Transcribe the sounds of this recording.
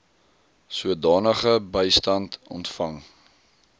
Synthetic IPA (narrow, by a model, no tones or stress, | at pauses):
suədɑːnəχəbəjstɐntɔ̰ntfɐŋ